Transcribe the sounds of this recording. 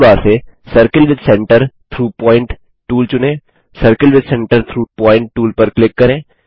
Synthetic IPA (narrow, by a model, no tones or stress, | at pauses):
baːɾsesəɾkəlʋɪd̪sɛ̃ɳʈəɾt̪ʰɾuːpɔːɪ̃ɳʈ | ʈuːlt͡ʃʊnẽː | səɾkəlʋɪd̪sɛ̃ɳʈəɾt̪ʰɾuːpɔːɪ̃ɳʈ̚ʈuːlpɐɾklɪkːɐɾẽː